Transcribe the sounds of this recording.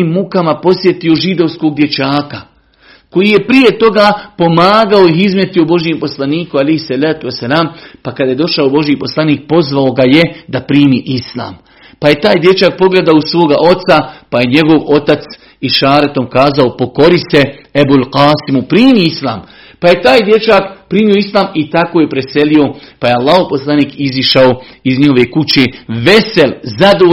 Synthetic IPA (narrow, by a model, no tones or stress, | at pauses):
mːukamapo̞sje̞t̪io̞ʒid̪o̞ʋsko̞ːɡ̚d̪je̞t͡ʃaːka | ko̞jije̞pɾije̞t̪o̞ɡapo̞maːɡao̞ihizmje̞t̪iobo̞ʒjempo̞slˠaniːkualejhsalaːt̪uesːalaːmpakad̪aje̞d̪o̞ʃaobo̞ʒjipo̞slˠaniːk̚po̞zʋao̞ɡaje̞d̪apɾiːmiːʔisla̰ːm | paje̞t̪aːjd̪je̞t͡ɕak̚po̞ɡled̪aousʋo̞ːɡaʔo̞t̪sapaje̞ɲe̞ɡo̞ʋo̞t̪at̪s | iʃaːɾet̪o̞mkaːzaopo̞ko̞ɾise̞ebulqaːsimupɾiːmiisla̰ːm | paje̞t̪aːjd̪je̞t͡ʃaːkpɾiːmio̞islˠaːmit̪akoːje̞pɾe̞se̞lio̞pajealːaːhoʋposlˠaniːkiziʃaoizɲiho̞ʋe̞ːkut͡ɕeːʋe̞selzad̪o